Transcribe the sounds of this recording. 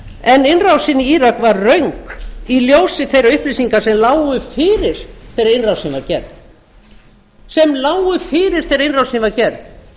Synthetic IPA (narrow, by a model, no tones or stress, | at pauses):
ɛnɪnrawsɪnːiiːɾakvaɾːœɥŋkiljowsɪθejɾaʏhpliːsiŋkasɛmlaːwʏfɪːɾɪɾ̥θejɾaɪnrawsɪnvaɾcɛɾðθ | sɛmlaːwɣʏfɪːɾɪɾ̥θejɾainrawsɛnvaɾcɛɾθ